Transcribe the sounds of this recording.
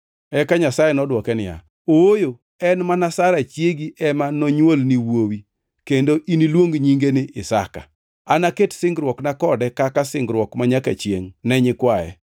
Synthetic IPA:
ɛkaɲasajɛnɔdwɔkɛnɪja̰ | oojo | ɛnmanasaɾat͡ʃjeɡiʔɛmanoɲwolniwowi | kendoʔinilwoŋɡɲiŋɡenɪʔɪsa̰ka̰ | anaketsɪŋɡɾwɔknakɔdɛkakasɪŋɡɾwɔkmaɲaka̰t͡ʃjḛŋnɛɲɪkwajɛ̰

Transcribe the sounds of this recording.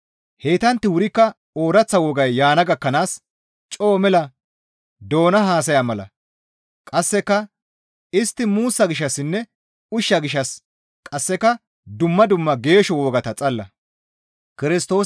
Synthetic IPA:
he̞ːt̪ɐnt̪ːɪwʊɾɪkːɐ | oːɾɐt͡sːɐwɔːɡɐjːaːnɐɡɐkːɐnaːs | t͡ʃʼo̞ːmɛlɐ | d̪o̞ːnɐɦaːs̬ɐjamɐlɐ̰ | kʼɐsːɛkːɐ | ɪst̪ːɪmuːsːɐɡɪʃːɐsːɪnːɛ | ʊʃːɐɡɪʃːɐs | kʼɐsːɛkɐ | d̪ʊmːɐd̪ʊmːɐɡe̞ːʃɔwoːɡɐt̪ɐt͡sʼɐlːɐ̰ | kɪɾɪst̪o̞ː

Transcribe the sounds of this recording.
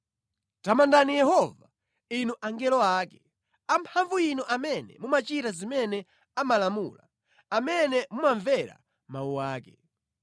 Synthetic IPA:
tamandanijɛhɔva | inuʔaŋɡɛlɔaːkɛ̥ | ampʰaɱvuinuʔamɛnɛ̰mumat͡ʃiɾazimɛnɛ | amalamṵla̰ | amɛnɛmumaɱvɛɾa̰ | mauwaːkɛ

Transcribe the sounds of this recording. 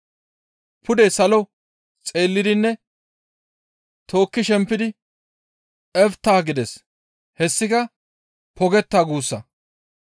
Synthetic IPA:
pʊd̪ɛsɐlɔ | t͡sʼe̞ːlːɪd̪ɪnːɛ | t̪ʰo̞ːkːɪʃɛmpːɪd̪ɪ | ɛft̪ːaːɡɪd̪ɛs | hɛsːɪkɐ | pʰɔɡɛt̪ːaːɡuːsːɐ

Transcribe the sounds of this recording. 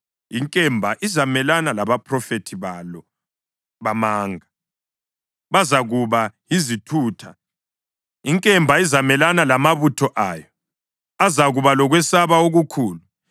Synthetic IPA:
iŋkʼɛmbʱaʔizamɛlanalaβapʰʼrɔfetʰiβalɔ | βamaːŋa | βazaɣuβajizitʰuːtʰa | iŋkʼɛmbʱaizamɛlanalamaβutʰɔʔaːjɔ | azaɣuβalɔɣwɛsaβaoɣukʰuːlu

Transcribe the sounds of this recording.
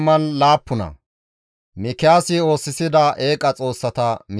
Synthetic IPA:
mɐnlaːpːʊnɐ̰ | mɪkɪjaːsɪo̞ːsːɪsɪd̪ɐe̞ːkʼɐt͡sʼo̞ːsːɐt̪ɐmɪ

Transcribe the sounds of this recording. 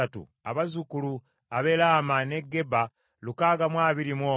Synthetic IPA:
atṵ | a̰βazukulu | aβelaːmane̞ɡːe̞ba | lukaːɡamwaːβiɾimwoː

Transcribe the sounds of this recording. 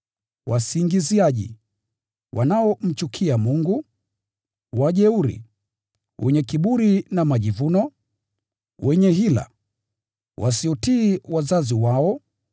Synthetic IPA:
wʔasiŋɡiziaʄḭ | wʔa̰naɔm̩t͡ʃukʰiamuŋɡu | waʄɛuɾḭ | wʔɛɲɛkiɓuɾinamaʄivunɔ | wʔɛɲɛɦila̰ | wasiɔtiːwazaziwaɔ

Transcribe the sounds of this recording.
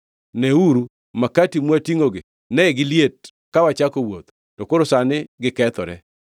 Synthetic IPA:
neuɾu | makatimwatiŋoɡɪ | nɛɛɡɪljet̚ | kawat͡ʃakowot̪ | tɔkoɾosanɪɡɪkɛt̪ɔɾɛ̰

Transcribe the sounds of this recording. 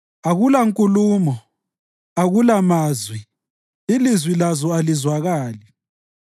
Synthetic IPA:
aɣulaŋkʼuluːmɔ | aɣulamaːzwi | ilizwilazɔalizwaɣaːli

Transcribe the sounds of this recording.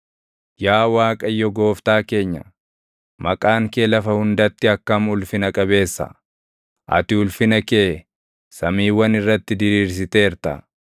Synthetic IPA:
jaːwaːkʼɐjːɔɡo̞ːft̪aːke̞ːɲːɐ̰ | mɐkʼaːŋkeːlɐfɐhʊnd̪ɐt̪ːɪɐkːɐmʊlfɪnɐkʼɐbe̞ːsːɐ̰ | ʔɐ̰t̪ɪʊlfɪnɐkeː | sɐmiːwɐnɪrːɐt̪ːɪd̪ɪɾiːɾs̬ɪt̪e̞ːɪɾt̪ɐ̰

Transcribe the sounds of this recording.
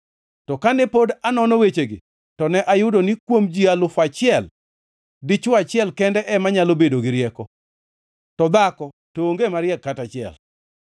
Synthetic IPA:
tɔkanɛpodanɔnɔwet͡ʃeɡḭ | tɔnɛʔajʊdonikwomd͡ʒialʊfat͡ʃɪɛl | dit͡ʃʊat͡ʃɪɛlkɛndɛʔɛmaɲalobedoɡɪɾjɛkɔ | tɔd̪akɔ | toːŋɡemaɾɪjɛkːatat͡ʃɪɛ̰l

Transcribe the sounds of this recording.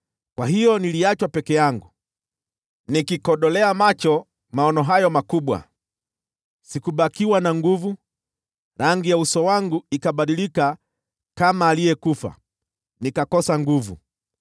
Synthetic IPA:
kwaɦijɔniliat͡ʃwapɛkɛjaŋɡu | nikikɔɗɔlɛamat͡ʃɔ | maɔnɔɦajɔmakuɓwa̰ | sikuɓakiwanaŋɡuvu | ɾaŋɡijausɔwaŋɡuikaɓaɗilika | kamaːlijɛkufa̰ | nikakɔsaŋɡuvṵ

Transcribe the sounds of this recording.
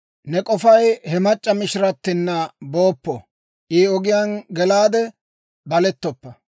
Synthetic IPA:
nɛkʼɔfɐjhɛmɐt͡ʃʼːɐmɪʃɾɐt̪ːɪnːɐbo̞ːpːɔ | ʔiːɔɡɪjanɡɛlaːd̪ɛ | bɐlɛt̪ːɔpːɐ

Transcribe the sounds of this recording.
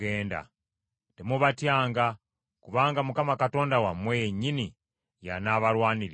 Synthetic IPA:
eːnda̰ | temuβatjaːŋɡa | kuβaːŋɡamukamakato̞ːndawamwejeɲːini | ja̰naːβaɾwaːniɾ

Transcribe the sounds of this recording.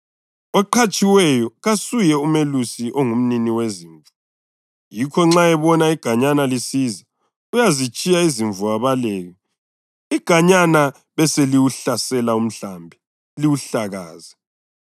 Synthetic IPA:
ɔǃʰat͡ʃʼiwɛjɔɣasujɛumelusiʔoŋum̩niniweziːɱvu | jikʰɔŋ͡ǁaɛβɔnaiɡ̥ʱaɲanalisiza | ujazit͡ʃʼijaiziɱvuaβalɛːɣɛ | iɡ̥ʱaɲana | βɛseliwuɬasɛlaum̩ɬambʱi | liwuɬaɣa̰ːza

